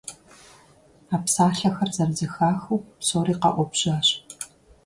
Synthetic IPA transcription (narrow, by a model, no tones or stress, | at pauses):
aːpsaːɬɐxɐrzɐrzɨxaːxuwpsoːriːqɐ̰ʔʷɔpɕaːɕ